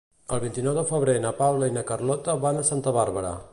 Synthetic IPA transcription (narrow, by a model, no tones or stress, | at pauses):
əlˠβint̪inɔwðəfəβɾenəpawləinəkərlɔt̪əβanəsant̪əβaɾβəɾə̰